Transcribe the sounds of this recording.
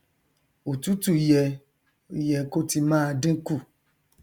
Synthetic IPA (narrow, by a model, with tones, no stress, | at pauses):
o˨tu˨˦tu˦˨jɛ˧˨ | jɛ˧ko˦ti˧mãː˦˧dĩ˦ku˦˨